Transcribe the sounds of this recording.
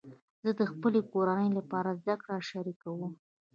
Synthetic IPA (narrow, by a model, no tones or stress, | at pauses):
z̥əd̪əxpəlekoɾanəjlapɑɾazd̪akɽaʃaɾikawum